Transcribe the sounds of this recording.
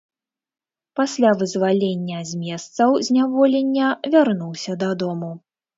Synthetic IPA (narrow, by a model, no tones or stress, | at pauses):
pasʲlʲavɨzvalʲenʲːɐzʲmʲɛst̪sɐwzʲnʲavɔlʲenʲːɐvʲarnuwsʲɐd̪ad̪ɔmu